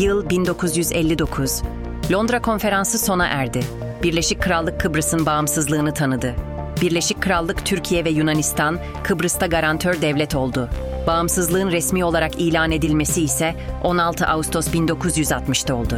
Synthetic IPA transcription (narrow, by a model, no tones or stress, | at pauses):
jɯlˠbind̪o̞kʰuzjyzɛ̰lʲːid̪o̞kʰuz̥ | lʲo̞nd̪ɾakʰo̞nfe̞ɾansɯso̞na̰ʔæɾd̪ɪ | b̥iɾlʲeʃic̚kʰːɯɾalˠːɯkʰːɯbɾɯsɯnbaɯmsɯzlˠɯːnɯt̪ʰanɯd̪ɯ | biɾlʲe̞ʃic̚ʲkʰːɯɾalˠːɯkt̪ʰyɾcʰijɛvɛjunanist̪ʰan | kʰɯbɾɯst̪aɡaɾant̪ʰøɾd̪ɛvlʲɛt̪ʰo̞lˠd̪ʊ | baːmsɯzlˠɯːɯnɾɛsmiːo̞lˠaɾakiːlʲaːne̞d̪ilʲme̞siːsɛo̞nalˠt̪ʰɯʔaust̪ʰo̞sbind̪o̞kʰuzjyzat̪mɯʃt̪ʰao̞lˠd̪ʊ